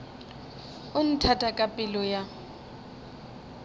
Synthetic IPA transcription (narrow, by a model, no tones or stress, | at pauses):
ʊn̩tʰatʼakʼapʼɪlɔja